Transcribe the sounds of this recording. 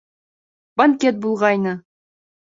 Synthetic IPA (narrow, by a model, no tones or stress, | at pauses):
bɐŋkʲet̪̚bulˠʁɑjnɤ